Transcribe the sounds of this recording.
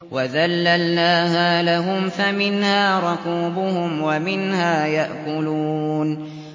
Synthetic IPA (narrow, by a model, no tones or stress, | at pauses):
waðalːalnaːhaːlaɦʊmfamɪnhaːɾˤʊquːbʊhʊmwamɪnhaːjaʔkʊluːn